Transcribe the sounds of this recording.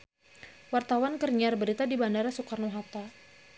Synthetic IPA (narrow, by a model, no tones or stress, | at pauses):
wart̪awankərɲarbəɾit̪adibandaɾasukarnuɦat̪a